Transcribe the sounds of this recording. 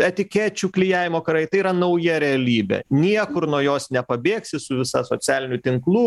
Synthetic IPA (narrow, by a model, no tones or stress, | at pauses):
ɛt̪ʲɪkʲæːt͡ʃʲuːklʲɪjæːʋʲɪmoːkɐɾɐɪt̪ɐɪiɾɐnɐʊjɛɾʲɛɐlʲiːbʲḛnʲiɛkʊɾnuɔjoːsnʲɛpɐbʲeːksʲɪsʊʋʲɪsɐsoːt͡s̪ʲæːlʲɪnʲʊt̪ʲɪŋklˠuː